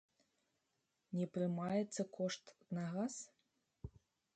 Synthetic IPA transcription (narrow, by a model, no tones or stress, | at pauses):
nʲɛpɾɨmajɛt̪sːɐkʰɔʂt̪nɐɣas